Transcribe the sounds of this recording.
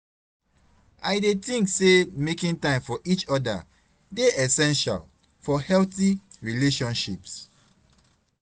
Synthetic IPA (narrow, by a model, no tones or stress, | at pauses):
ʔaɪdetĩŋksemekĩŋtãɪ̃mfɔʔit͡ʃɔda̰ | deɛsɛ̃nʃa̰l | fɔhɛlθiɹileʃɔ̃nʃips